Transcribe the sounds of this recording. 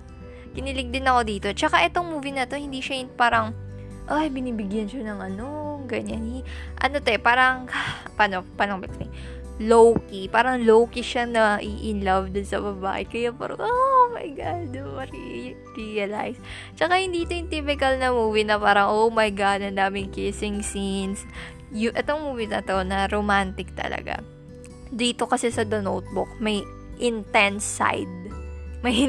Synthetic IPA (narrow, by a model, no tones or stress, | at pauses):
kɪnɪlɪɡ̚d̪ɪnɐko̞d̪iːt̪o̞t͡ʃɐkaʔɛt̪o̞ŋmuːvɪnɐt̪o̞hɪnd̪iʃɐjʊnpaːɾɐŋ | ʔajbɪniːbɪɡjɐnʃanɐŋʔɐno̞ɡɐɲanhiʔɐ̰no̞t̪ɛpaːɾɐŋpɐnopalɐŋbɛktɪŋ | lowkipaːɾɐŋlowkiʃanɐʔiʔɪnlɐvd̪onsɐ̰bɐba̰ːʔɛ̰kɐjapa̰ɾɐ̰ŋʔomɐ̰jɡad̪ɐɾḭ | ɾiɐla̰js | t͡ʃɐkahɪnd̪iːt̪ojɪnt̪ipɪkɐlnɐmuːwɪnɐpaːɾɐŋʔowmɐjɡad̪ɐnːaːmɪŋkɪsɪŋsins | jʊʔɛt̪oŋmuːwɪnɐ̰t̪onɐɾomant̪ɪk̚t̪ɐ̰lɐ̰ɡa̰ | d̪iːt̪o̞kɐsɛsɐd̪ɐnowt̪̚bʊk̚mɐj | ʔɪnt̪ɛnsːa̰jd̪̚mɐj